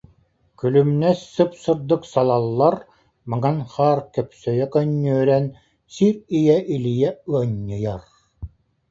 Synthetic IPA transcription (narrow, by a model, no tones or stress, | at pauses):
kylymnɛsːɯpsɯɾd̪ɯksalˠalˠːaɾ | mɯŋanχaːɾkœpsœjœkœɲːœːɾɛn | siɾijɛʔilijɛɯɔɲːɯjaɾ